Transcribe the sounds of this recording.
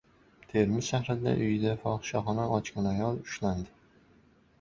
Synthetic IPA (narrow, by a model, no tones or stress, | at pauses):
t̪ʰe̞ɾmɪzʃaχɾɪd̪a̰ʔʊjd̪afɒqʃɒχɒnaɒt͡ʃkʲanajɒlˠʊ̥ʃland̪ɪ